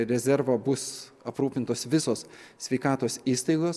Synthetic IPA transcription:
ɾʲɛzʲɛɾʋɐbʊsɐpɾuːpʲɪnt̪oːsʋʲɪsoːssʲʋʲɛɪkɑːt̪oːsiːst̪ɐɪɡoːs

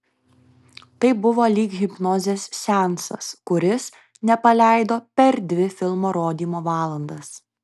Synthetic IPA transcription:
t̪ɐɪbʊʋoːlʲiːkɣʲɪpnɔːzʲeːssʲɛˑnsɐ̰skʊɾʲɪs | nʲɛpɐlʲæˑɪd̪oːpʲɛɾd̪ʲʋʲɪfʲɪlˠmoːɾoːd̪ʲiːmoːʋɑːlˠɐnd̪ɐs

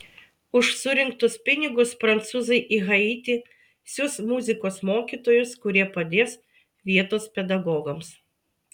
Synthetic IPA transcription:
ʊʃsʊɾʲɪŋkt̪ʊspʲɪnʲɪɡʊspɾɐnt̪suːzɐɪʔɪɣɐɪːt̪ʲi | sʲʊsmʊzʲɪkoːsmoːkʲiːˑt̪oːjʊskʊɾʲiɛpɐd̪ʲeːs | ʋʲiɛt̪oːspʲɛd̪ɐɡɔːɡɐms

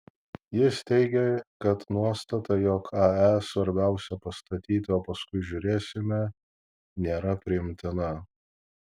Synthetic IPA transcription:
jɪst̪ʲɛɪɡʲɛkɐt̪nuɔst̪ɐt̪ɐjoːkʰɑɛsʋɐɾʲbʲæˑʊsʲɛpɐst̪ɐt̪ʲiːt̪ʲɪoːpɐskʊɪʒʲʊɾʲeːsʲɪmʲɛ | nʲeːɾɐpʲɾʲɪɪmʲt̪ʲɪnɐ

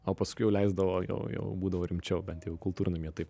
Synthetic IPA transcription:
oːpɐskʊɪjɛʊlʲɛɪzd̪ɐʋoːjɛ̰ʊjɛ̰ʊbuːd̪ɐʋoːɾʲɪmʲt͡ʃʲɛʊbʲɛnt̪jɛʊkʊlˠt̪uːɾʲɪnʊɪmʲiɛt̪ɐɪp

